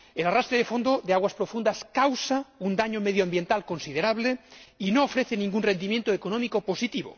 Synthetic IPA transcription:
elarast̪ɾeðefo̞nd̪oðeaɣ̞waspɾofund̪askawsaund̪aɲomeð̞joambje̞nt̪alkonsið̞eɾaβ̞leinoːfɾeθenĩŋɡunre̞nd̪imjent̪oekonõmikoposit̪iβo̰

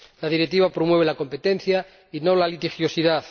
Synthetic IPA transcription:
laðiɾet̪iβapɾomwe̞β̞elako̞mpe̞t̪en̟θja | ino̞lalit̪ixjo̞siðaθ

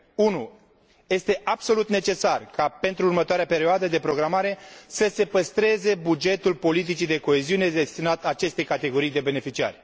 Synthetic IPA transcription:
unu | je̞st̪e̞ʔabso̞lut̪ne̞t͡ʃe̞sarkape̞nt̪ɾuːrmət̪oaɾeape̞ɾioad̪əd̪e̞pɾo̞ɡɾamaɾe̞səse̞pəst̪ɾe̞ze̞bud͡ʒe̞t̪ulpo̞lit̪̬it͡ʃid̪e̞ko̞e̞ziune̞d̪e̞st̪inat̪at͡ʃe̞st̪e̞jkat̪e̞ɡo̞ɾijd̪e̞be̞ne̞fit͡ʃia̰rʲ

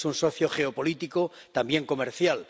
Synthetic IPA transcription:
sunso̞θjoχe̞opo̞lit̪ikot̪ambje̞ŋko̞meɾθjal

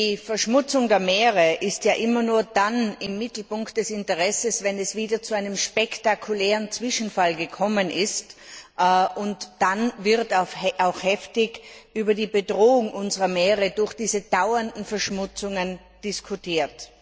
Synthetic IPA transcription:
diːfɛɐʃmʊt͡sʊŋdeːɐmeːʁəʔɪstjaːʔɪmɐnuːɐdanɪmːɪtl̩pʊŋkt̚d̥ɛsɪntəʁɛsəsvɛnɛsv̥iːdɐt͡suaɪnəmʃpɛktakʰulɛːʁənt͡sv̥ɪʃn̩falɡəkʰɔmənɪst | ʔʊntd̥anvɪɐtaʊaʊxhɛftɪçʔyːbɐdiːbədʁoːʊŋʔʊnzəʁɐmeːʁədʊɐxd̥iːzəd̥aʊɐndn̩fɛɐʃmʊt͡sʊŋən | d̥ɪskʰʊtʰiːɐt

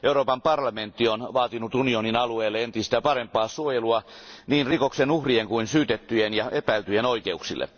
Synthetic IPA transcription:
euroːpɑmpɑrlɑment̪ːionʋɑːt̪inut̪unioninɑlueːlːeent̪ist̪æːpɑrempˑɑːsuojeluɑniːnrikoksenuhrieŋkuinsyːt̪et̪ːyjenjɑʔepæyt̪yjenoikeuksilːḛ

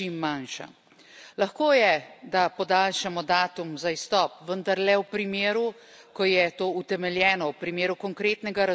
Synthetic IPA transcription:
imːanʃa̰ | laxkoːjɛd̪apɔd̪alʃamɔd̪aːt̪umzaist̪ɔːpʋənd̪aɾlɛwpɾimeːɾu | kɔjɛt̪oːut̪ɛmɛljɛːnɔwpɾimeːɾukɔŋkɾeːt̪nɛɡaɾa

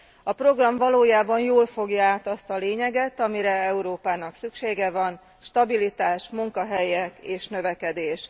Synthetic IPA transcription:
ɒpro̞ɡrɒɱvɒloːjaːbɒnjoːlfo̞ɡjɒaːt̪ɒst̪ɒleːɲɛɡɛt̪ɒmiɾɛɛuɾoːpaːnɒksykʃeːɡɛvɒn | ʃt̪ɒbilit̪aːʃmuŋkɒɦɛjɛkeːʃnø̞vɛkɛd̪eːʃ

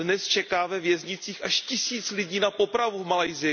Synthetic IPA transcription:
nɛst͡ʃɛkaːvɛvjɛzɲɪt͡siːxʔaʃcɪsiːt͡slɪɟiːnapo̞pɾavuvmalajzɪ

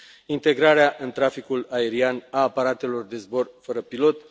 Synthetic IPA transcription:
int̪e̞ɡɾaɾeaʔɨnt̪ɾafikulae̞ɾianaːpaɾat̪e̞lo̞rd̪e̞zbo̞rfəɾəpilo̞t̪

